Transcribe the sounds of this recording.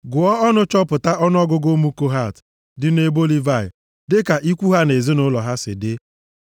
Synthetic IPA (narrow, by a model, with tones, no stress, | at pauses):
ɡʊ˨ɔ˦ɔ˦nʊ˦t͡ʃɔ˦pʊ˨ta˦ʔɔ˦n˦ɔ˦ɡʊ˦ɡo˦mu˦ko˦ɦa˦˨t | dɪ˦n˦e˦bo˦li˦va˦˨jɪ̰˨ | dɪ˦ka˨ʔi˦kʷu˦ɦa˦ne˨zi˦nʊ˦lɔ˨ɦa˦sɪ̰˨dɪ˦